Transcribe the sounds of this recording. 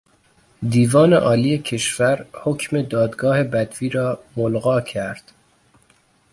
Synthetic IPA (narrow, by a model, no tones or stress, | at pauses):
d̪iːvɒːne̞̰ʔɒːliːjecʰe̞ʃvæɾhocʰme̞d̪ɒːd̪ɡɒːhe̞bæd̪viːɾɒːmolɣɒːcʰæɾd̪̥